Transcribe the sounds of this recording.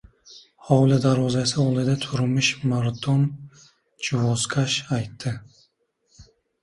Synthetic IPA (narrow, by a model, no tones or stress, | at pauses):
hɒwlɪd̪aɾɒzasɪolˠɪd̪at̪ʰʊɾmɪʃmaɾt̪ʰon | t͡ʃʰɪwɔskʰaʃajt̪ʰːɪ